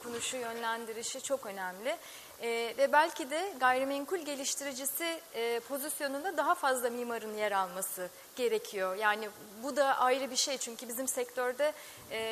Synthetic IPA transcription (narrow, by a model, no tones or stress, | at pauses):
kʰonuʃujø̞nlʲænd̪iɾiʃit͡ʃʰo̞kø̞nɛmlʲɪ | vɛbælʲcʰid̪ɛɡajɾɯmɛŋkulʲɟe̞lʲiʃt̪ʰiɾid͡ʒisɪpʰo̞zisjo̞nund̪ad̪aɦafazlˠamiːmaɾɯnjeɾalˠmasɯ | ɟ̥e̞ɾecʰijo̞jaːnɪ | bud̪aʔajɾɯbiʃejt͡ʃʰyɲcybizimsɛct̪ʰøɾd̪ɛː